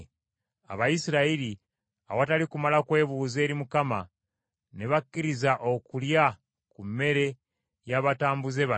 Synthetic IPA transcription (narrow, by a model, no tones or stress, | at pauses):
a̰βajisiɾaiɾi | awatalikumalakwe̞ːβuːze̞ːɾimukama̰ | neβakːiɾizaʔo̞kulja | kumːe̞ɾe̞ | jaβataːmbuze̞βa